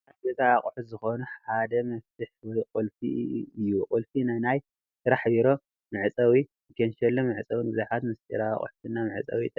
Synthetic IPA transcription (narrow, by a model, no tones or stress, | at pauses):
adɐt̪ʼaːχʼħut̪zɨxo̞nuħad̪ɐmɐft̪ʰɨħwɔjqʼulfḭɨjːuqʼulfinajnaj | sɨɾaħbiɾo | mɨʕɨt͡sʼɐwi | kʰɐnʃɛlːomɨʕɨt͡sʼɐwinbɨzaħat̪mɨst̪ʼɨ̰ɾa̰ːχʼʊ̰ħt̪ʰɨnːamɨʕt͡sʼɐ̰wit̪ʼ